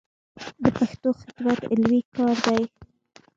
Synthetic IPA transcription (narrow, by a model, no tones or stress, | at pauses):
d̪əpaxt̪oxɪt̪wat̪ɪ̰lwikɑɾd̪aj